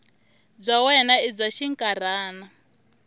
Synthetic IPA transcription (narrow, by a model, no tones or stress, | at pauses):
b͡ʐʷawɛnaib͡ʐʷaʃiŋkʼaɾaːna